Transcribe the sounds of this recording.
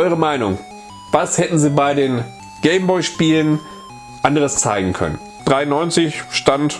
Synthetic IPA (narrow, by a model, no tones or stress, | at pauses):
ʔɔʏʁ̞əmaɪnʊŋ | vashɛtn̩ziːbaɪdeːn | ɡ̥ɛɪmbɔʏʃpiːlən | ʔandəʁəst͡sa̰ɪɡŋ̩kʰœ̰nə̰n | d̥ʁaɪnːɔʏnt͡sɪçʃtant